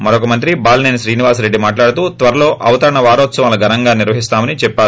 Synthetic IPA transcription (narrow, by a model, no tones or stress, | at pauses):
mɐɾokɐmɐnt̪ɾibaːlneːnsɾiːniʋaːsɾe̞ɖːimaːʈlaːɽut̪uːt̪ʋɐɾɐlo̞ːʔɐʋɐt̪ɐɾɐɳɐʋaːɾoːt̪sɐmɐlːɐɡʱɐɾɐŋɡaːniɾʋɐɦist̪aːmɐnit͡ʃɛpːaː